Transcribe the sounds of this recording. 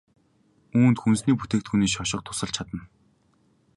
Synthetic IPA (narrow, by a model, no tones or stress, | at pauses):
uːnt̪xunsniːput̪eːkt̪xuniːʃ̬ɔʃɪ̆q̚t̪ʰʊ̥sə̆ɮt͡ɕʰat̪ə̆n